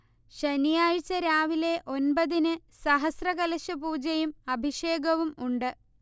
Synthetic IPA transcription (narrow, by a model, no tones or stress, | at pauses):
ɕɐnijaːɻt͡ɕːɐɾaːʋile̞ʔo̞nbɐðinɨ | sɐɦɐsrɐɣɐlɐɕɐpuːd͡ʑɐjumɐbʱiʂeːɡɐʋumuɳɖɨ